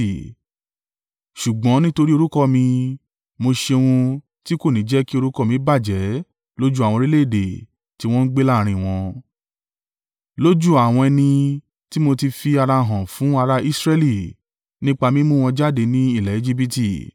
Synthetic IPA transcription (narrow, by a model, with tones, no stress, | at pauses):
ʃu˨ɡ͡bɔ̃˨˦nĩ˦to˧ɾi˦o˧ɾu˦kɔ˦mĩ˧ | mo˧ʃe˧w̃ũ˧ | ti˦ko˦˨nĩ˨˦d͡ʒɛ˦ki˦o˧ɾu˦kɔ˦˨mĩ˧˦ba˦˨d͡ʒɛ˨˦ | lo˦d͡ʒu˦a˨wɔ̃˧ɾi˦le˦i˦˨de˨ | ti˦w̃ɔ̃˦n̩˦ɡ͡be˦la˦˨ɾ̃ĩ˧˨w̃ɔ̃˧ | lo˦d͡ʒu˦a˨w̃ɔ̃˧ɛ˧nĩ˧ | ti˦mo˧ti˧fi˧a˧ɾa˧ɦã˨fũ˨˦a˧ɾa˧i˦sɾɛ˧li˨ | nĩ˦k͡pa˧mĩ˦mũ˦˨w̃ɔ̃˧d͡ʒa˦de˧nĩ˦i˦˨lɛ˨e˧d͡ʒi˦bi˧ti˦˨